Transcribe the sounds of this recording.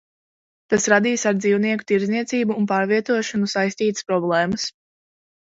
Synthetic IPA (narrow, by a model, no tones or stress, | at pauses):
t̪asɾad̪iːsaɾd̪ziːwniɛku̥t̪iɾzniɛt̪siːbuːnpaːɾviɛt̪uɔʃɔnusajst̪iːt̪ə̥spɾɔblˠɛːməs